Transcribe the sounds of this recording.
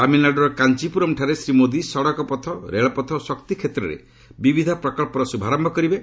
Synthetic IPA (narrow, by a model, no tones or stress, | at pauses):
kaminaɖɔɾɔkant͡ʃipuɾɔmʈʰaɾesɾimod̪isɔɽɔkɔpɔt̪ʰɔɾeɭɔpɔt̪ʰɔsɔkt̪ikʰet̪ɾɔɾḛ | bibid̪ʱapɾɔkɔɭpɔɾɔsubʱaɾɔmbʱɔkɔɾibe